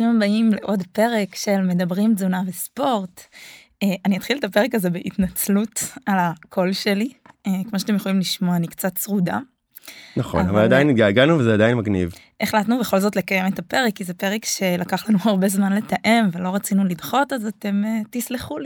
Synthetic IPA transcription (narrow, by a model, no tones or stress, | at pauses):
immbaimleʔo̞dpe̞ʁekʃe̞lme̞dabʁimzunavespo̞ʁt | eʔaniat̪χiltape̞ʁekazebeʔitnat͡slutalakʰo̞lʃeli | ekmoʃat̪emjeχolimliʃmoanikt͡satsʁuda | naχo̰navaladainɡaɡanuvezɛadainmaɡnḭv | ʔeχlatnubeχo̞lzo̞tle̞kaje̞metape̞ʁekːizepe̞ʁekʃe̞lakaχlanuhaʁbe̞zmanle̞taʔe̞mvelo̞ʁat͡sinulidχo̞tazate̞metisliχuli